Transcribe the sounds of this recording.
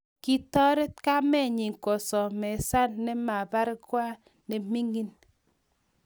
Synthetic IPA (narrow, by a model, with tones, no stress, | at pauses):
ki˦tɔ˦ɾe˦t̚ka˦mɛ˦˨ɲi˨ŋkɔ˨sɔ˨mɛ˨sa˦nːɛ˦ma˨ba˦ɾkwa˦ | ne˨mi˦ŋi˦n